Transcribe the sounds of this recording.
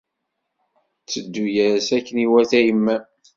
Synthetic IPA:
t͡sːəd̪ːujæɾsækːəniwæθæjəmːæ

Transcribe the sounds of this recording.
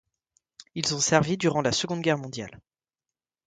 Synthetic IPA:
ilsɔ̃sɛʁvid̪yʁɑ̃lasəɡɔ̃d̪ɡʲɛʁmɔ̃d̪ja̰l

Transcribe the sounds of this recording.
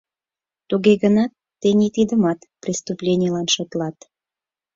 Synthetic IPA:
t̪uɣeɣənɑt̪ːenit̪id̪əmɑt̪prist̪uplʲenʲijəlɑnʃŏt̪lɑt̪

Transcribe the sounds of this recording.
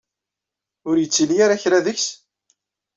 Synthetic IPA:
ʊɾjət͡sːilijaɾaçɾaðəçs

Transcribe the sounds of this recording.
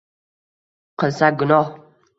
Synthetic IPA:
qəsaɡənɔ

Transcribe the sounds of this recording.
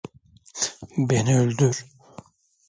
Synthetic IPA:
beniølʲd̪yɾ

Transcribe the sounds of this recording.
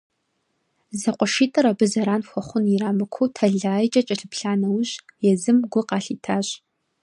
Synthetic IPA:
zɐqʷɔʃiːtʼɐɾɐbɨzɐɾaːnxʷɔχʷʊniɾaːmɨkʷʰowtʰɐɮaːjt͡ʃʼɐt͡ʃʼɐɬɨpɬaːnɐwɕjɛzɨmɡʷʊqɑːɬiːtʰaːɕ

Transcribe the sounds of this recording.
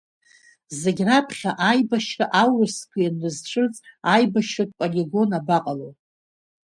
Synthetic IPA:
zeɡʲrapʰχʲaʔajbaʃraʔawɨskʷʰijanːɨzt͡ʃʷʰɨt͡sʼajbaʃatʼpʼoliɡo̞nabaqʼalowʼ

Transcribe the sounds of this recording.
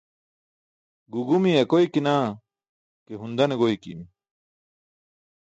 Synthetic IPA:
ɡuɡumiɐkojkinaː | keɦund̪ɐneɡojkḭm

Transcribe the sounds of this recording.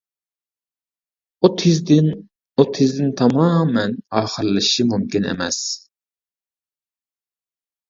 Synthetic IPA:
ut̪ʰizd̪ɪn | ut̪ʰɪzd̪ɪnt̪ʰɑmɑːmɛnɑːχəɾlˠɨʃimumkʲinḛmɛs

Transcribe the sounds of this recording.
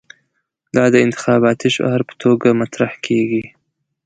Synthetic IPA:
d̪ɑd̪əɪnt̪ɪ̥xɑβɑt̪iʃa̰haɾpə̥t̪ʰoɡamat̪ɾahkʰeɡi

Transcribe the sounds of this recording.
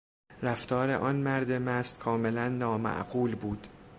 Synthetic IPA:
ɾæft̪ʰɒːɾe̞̰ʔɒːnmæɾd̪emæst̪kʰɒːme̞lænːɒːmæ̰ʔɢuːlbuːd̪̥

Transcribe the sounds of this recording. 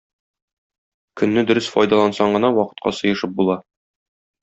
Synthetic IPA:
kɵ̆nːɘd̪ɵ̆ɾɘsfɒ̰jd̪ɑlˠɑnsɑɴɢɤ̆nɑwɒqɤ̥̆t̪̚qɑ̰sɤ̆jɤ̆ʃɤp̚bulˠɑ

